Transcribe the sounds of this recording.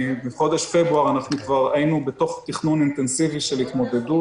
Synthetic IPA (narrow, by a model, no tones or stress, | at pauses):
beχo̞d̪eʃfebʁuaʁanaχnukvaʁajinubet̪o̞χt̪iχnunint̪ensiviʃelhit̪mo̞d̪edu